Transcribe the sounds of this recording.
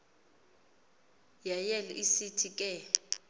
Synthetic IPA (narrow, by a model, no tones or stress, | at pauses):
jajɛlɛʔisitʰikʼɛ